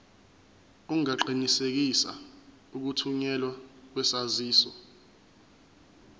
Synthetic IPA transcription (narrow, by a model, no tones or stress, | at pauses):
uŋaǃinisek̬isa̰ | uk̬utʰuɲɛlwak̬wɛsaziːsɔ